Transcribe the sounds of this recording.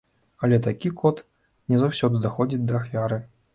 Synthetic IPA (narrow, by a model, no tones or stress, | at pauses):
ɐlʲɛt̪akʲikʰɔt̪ | nʲɛzawsʲɔd̪ɨd̪axɔd͡zʲit͡sʲd̪ɐːxfʲaɾɨ